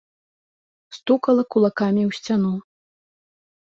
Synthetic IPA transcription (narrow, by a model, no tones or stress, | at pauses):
st̪ukɐlˠɐkulˠakamʲiwsʲt͡sʲanu